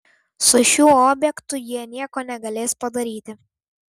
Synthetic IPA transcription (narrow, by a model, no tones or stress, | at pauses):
sʊʃʲuːoːbʲjɛkt̪ʊjiɛnʲiɛkoːnʲɛɡɐlʲeːspɐd̪ɐɾʲiːt̪ʲɪ